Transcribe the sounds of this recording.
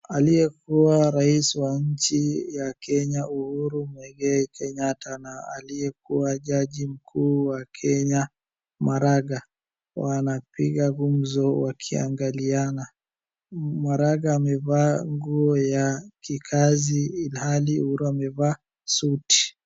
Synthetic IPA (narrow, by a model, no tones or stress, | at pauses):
aliɛkuwaɾaisiwaɲ̩t͡ʃijakɛɲauhuɾumwɛɡɛikʰɛɲatʰanaa̰liɛkuwaʄaʄim̩kʰuːwakʰɛɲa | maɾaɡa | wanapiɠaɣumzɔwakʰia̰ŋɡaliana | maɾaɡaːmɛvaːŋɡuɔjakikʰaziːlhaliuhuɾuamɛvaː | suti̥